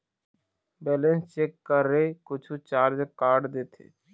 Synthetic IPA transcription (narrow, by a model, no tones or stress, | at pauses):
bɛːlẽnst͡ʃeːkːəɾːekʊt͡ʃʰut͡ʃaːɾd͡ʒəkaːɾɖd̪eːt̪ʰḛː